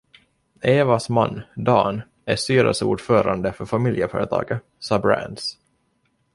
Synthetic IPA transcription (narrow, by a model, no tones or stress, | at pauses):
eːvasmanːd̪ɑːn | æʂt̪yːɾə̰lsəṵːɖfœːɾand̪əfœɾfamɪljəfœːɾət̪ʰɑ̰ːɡə | sɑːbɾæ̰nd̪s